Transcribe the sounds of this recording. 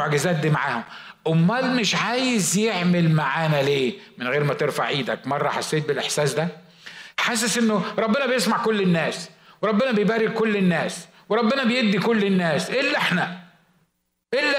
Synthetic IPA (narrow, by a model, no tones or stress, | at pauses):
oʕɡæzæːt̪̚d̪iːmaʕaːhom | ʔomːæːlmɪʃʕaːjezjeʕmelmaʕaːnæleːmɪnɣeːɾmæt̪eɾfa̰ʕʕiːd̪ækmɑrˤːɑħasːeːt̪̚belʔeħsæːsd̪æ | ħas̬ːæsʔenːoɾˤɑbːenæbejesmaʕkolːenːæːsweɾˤɑbːenæbejbæːɾɪɡ̚kːolːenːæːs | weɾˤɑbːenæbejebd̪ːikolːenːæːsʔelːʔeħnæ | ʔelːæ